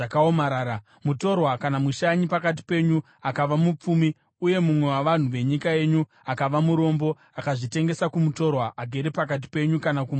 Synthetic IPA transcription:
akaomaɾaːɾa | muto̞rwakanamuʃaɲipakat̬i̥pe̞ɲu | akaʋamup͡fumi | uje̞mumwe̞waʋan̤uʋe̞ɲikae̞ɲu | akaʋamuɾo̞mbo̞ | akaʐite̞ŋɡe̞sakumuto̞rwaʔaɡʱe̞ɾepak̬at̬i̥pe̞ɲukanakum

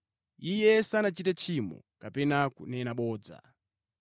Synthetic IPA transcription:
ijɛsanat͡ʃitat͡ʃʰimɔ̰kapɛnakṵnɛnaɓɔːd͡za̰

